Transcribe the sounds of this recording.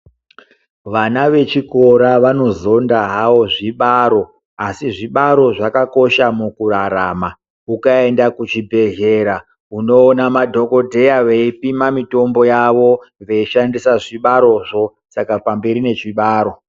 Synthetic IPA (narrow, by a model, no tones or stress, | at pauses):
ʋanaʋe̞t͡ʃiko̞ɾaʋano̞zo̞ndaɦawo̞ʐiɓaɾo̞ | asiʐiɓaɾo̞ʐakako̞ʃamukuɾaɾaːma | ukae̞ndakut͡ʃibʱe̞ɮe̞ɾa | uno̞ːnamadʱo̞ko̞dʱe̞jaʋeipimamito̞mbo̞jaʋo̞ʋe̞iʃandisaʐiɓaɾo̞ʐo̞ | sakapambe̞ɾine̞t͡ʃiɓaːɾo̞